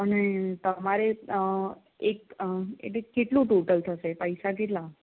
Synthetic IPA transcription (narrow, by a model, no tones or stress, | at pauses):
pənet̪əmaɾe | ek̚ḛʈlekːeʈlũʈoʈəlt̪ʰəʃepəjsak̬eʈ̬la